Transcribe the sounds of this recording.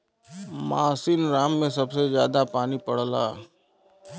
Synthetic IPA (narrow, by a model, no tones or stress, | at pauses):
maːsinɾaːmːẽsɐbsezjaːd̪apaːnipɐɽ̤la̰ː